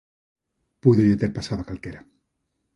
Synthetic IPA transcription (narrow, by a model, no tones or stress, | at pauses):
puðojet̪eɾpasaðakalkeɾa